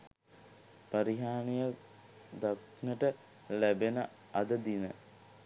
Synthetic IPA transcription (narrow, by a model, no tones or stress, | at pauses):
paɾiɦaːnijə | d̪ak | nəʈə | læbenə | ɐd̪əd̪inə